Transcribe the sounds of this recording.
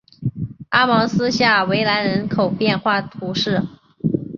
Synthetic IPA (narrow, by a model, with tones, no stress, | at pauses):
a˥mɑ˧˥ŋsɹ̩˥ɕja˥˩we˧˥ɪla˧˥nɻə˧˥nkʰo˨˩ʊpjɛ˥˧nxwa˥˩t̪ʰu˧˥ʂɻ̩˥˩